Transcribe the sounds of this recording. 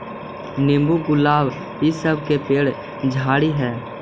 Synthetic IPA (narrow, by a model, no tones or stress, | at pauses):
nẽːmbuɡʊlaːb | ɦisəb̚ʱkepeːɽ | d͡ʒʱaːɽiɦɛː